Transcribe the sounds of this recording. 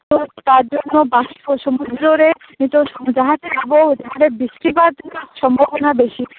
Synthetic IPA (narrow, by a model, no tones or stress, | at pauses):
t̪ot̪aɾd͡ʑonːobaʃioʃomud̪ʱɾoɾe | it̪oʃomud͡ʑaɦat̪ebabod͡ʑaɦaɾebiʃkɾibaɾd̪ʱiʃɔmbʱobonabeʃi